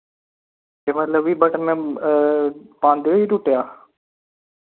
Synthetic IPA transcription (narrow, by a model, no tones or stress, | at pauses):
t̪eːmət̪ləbiːbəʈəmɛ̃ː | pãːnd̪eiːʈuʈejaː